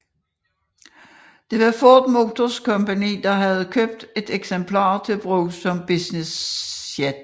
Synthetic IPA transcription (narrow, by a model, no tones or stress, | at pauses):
d̥e̝ʋɑ̈fɔːd̥mo̝ːt͡sʰoskʰɒ̽mpænḭːd̥ɑ̈ɦæð̞̩ˠkʰøb̥̚d̥e̝d̥eɡ̥sempʰlɑ̰̈ːt͡sʰe̝lb̥ʁoːsɒ̽mb̥isnesed̥